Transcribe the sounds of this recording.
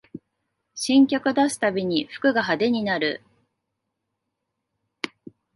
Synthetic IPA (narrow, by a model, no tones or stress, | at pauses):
ɕĩŋkʲakɯ̟d̪asɨ̥t̪abʲiɲ̟iɸɯ̟̥kɯ̟ɡaɦad̪e̞ɲ̟inaɾɯ̟̰